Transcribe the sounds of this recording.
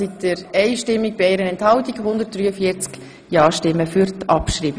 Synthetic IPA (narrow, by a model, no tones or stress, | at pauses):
itəɾɛɪʃtɪmːik̚b̥ieːɾənɛnthɑwtiɡhʊndəɾt̚d̥ryːəfiəɾt͡sk | jɑːʃtɪmːəfyɾtʰɑpʃɾiːbi